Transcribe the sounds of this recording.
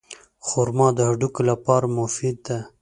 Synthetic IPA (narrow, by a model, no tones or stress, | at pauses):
xoɾmɑd̪əhaɖukolapɑːɾamʊfid̪̚d̪a